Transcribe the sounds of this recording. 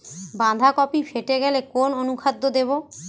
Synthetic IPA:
bãnd̪ʱakɔpifʰeʈeɡɛlekononukʰad̪ːod̪eβo

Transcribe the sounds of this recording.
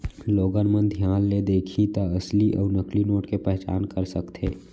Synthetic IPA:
loːɡənmənd̪ʱjaːnled̪eːkʰit̪əəsliʔɔ̰ːɾnəklinoːʈkepɛɦt͡ʃa̰ːnkəɾsəkt̪ʰeː

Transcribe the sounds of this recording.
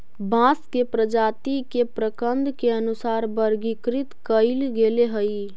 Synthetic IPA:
bãːskepɾəd͡ʒaːt̪ikepɾəkənd̪keənusaːɾbəɾɡikɾɪt̪kəɪlɡeleɦəi

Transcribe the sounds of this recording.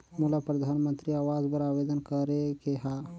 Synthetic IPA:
mulapɾəd̪ʱanmənt̪ɾiaʋad͡ʒbəɾaʋed̪ənkəɾekeɦa

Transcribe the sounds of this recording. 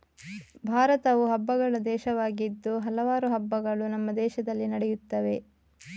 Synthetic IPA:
bʱaːɾɐt̪ɐʋuɦɐbːɐɡɐɭɐd̪ɛːʃɐʋaːɡid̪ːuɦɐlɐʋaːɾuɦɐbːɐɡɐɭunɐmːɐd̪ɛːʃɐd̪ɐlːinɐɽɛjut̪ːɐʋe̞

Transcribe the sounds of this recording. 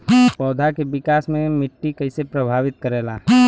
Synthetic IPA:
pɔːd̪ʱakebɪkaːsmẽmɪʈːikɐɪsepɾɐbʱaːʋɪt̪̚kəɾeːla̰ː

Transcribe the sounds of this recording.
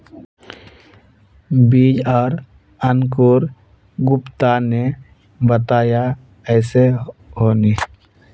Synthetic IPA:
biːd͡ʒɔːɾ | ənkoːɾ | ɡʊpt̪ane | bət̪aːja | ɛːseɦoːniː

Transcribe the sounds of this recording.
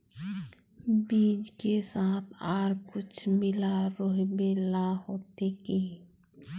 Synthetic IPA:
biːd͡ʒkesaːt̪ʰaːɾkʊt͡ʃʰmɪlaɾoːɦbelaɦoːt̪ekiː

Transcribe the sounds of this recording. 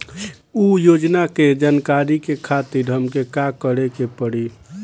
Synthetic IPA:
ujod͡ʒnaked͡ʒankaɾikekʰat̪iɾɦəmkekakəɽekepəɽi

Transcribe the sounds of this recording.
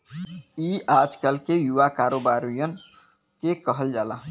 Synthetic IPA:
iad͡ʒkalkejuʋakaɾobaɾujən | kekəɦəld͡ʒalaɦ

